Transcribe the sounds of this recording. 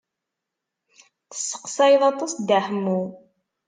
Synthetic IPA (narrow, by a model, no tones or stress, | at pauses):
θə̥sːə̥qsæjðˤɑt̪ˤɑsd̪aħəmːʊ